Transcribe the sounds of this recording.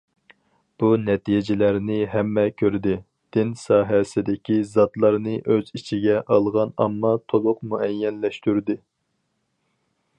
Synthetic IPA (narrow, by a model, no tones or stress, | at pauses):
b̥unɛt̪ʰijd͡ʒɪlæɾnɪɦɛmːɛkʲʰøɾd̪ɪ | d̪̥ɪnsɑːɦɛsɪd̪ɪkʲʰizɑt̪lˠɑɾnɨʔøzit͡ʃʰiɡʲɛʔɑlˠʁɑnɑ̰mːɑt̪ʰolˠʊqmuɛjːɛnlɛʃt̪yɾd̪ɪ